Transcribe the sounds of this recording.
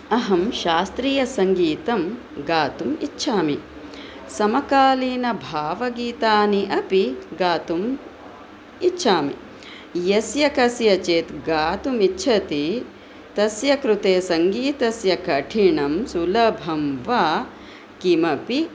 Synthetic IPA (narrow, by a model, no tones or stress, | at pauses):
ɐɦɐmʃaːst̪ɾiːjɐsɐŋɡiːt̪ɐm | ɡaːt̪umitːʃʰaːmi | sɐmɐkaːliːnɐbʱaːʋɐɡiːt̪aːniʔɐpiɡaːt̪um | itːʃʰaːmḭ | jɐsjɐkɐsjɐt͡ʃeːt̪ɡaːt̪umitːʃʰɐt̪i | t̪ɐsjɐkɾut̪eːsɐŋɡiːt̪ɐsjɐkɐʈʰiɳɐmsulɐbʱɐmʋaː | kimɐpi